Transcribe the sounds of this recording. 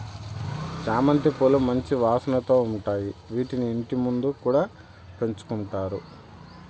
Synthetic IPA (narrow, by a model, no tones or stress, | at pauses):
t͡ʃaːmɐnt̪ipolumɐɲt͡ʃiʋaːsɐnɐt̪o̞ːuɳʈaːjiʋiːʈinieɳʈimund̪ukuːɽaː | pe̞ɲt͡ʃu̥kuɳʈaːɾu